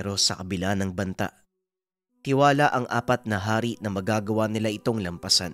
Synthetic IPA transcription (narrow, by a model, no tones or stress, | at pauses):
ɾo̞sɐkɐbɪlanɐŋbɐnt̪a̰ʔ | t̪ɪwaːlaʔɐŋʔa̰ːpɐt̪̚nɐɦaːɾiʔnɐmɐɡaːɡɐwanɪlaʔɪt̪o̞ŋlɐmpɐsan